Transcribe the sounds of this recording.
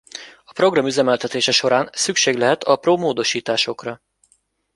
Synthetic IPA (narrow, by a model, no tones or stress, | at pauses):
ɒpro̞ɡrɒmyzɛmɛlt̪ɛt̪eːʃɛʃo̞ɾaːnsykʃeːɡlɛɦɛt̪ʰɒproːmoːd̪o̞ʃiːt̪aːʃo̞krɒ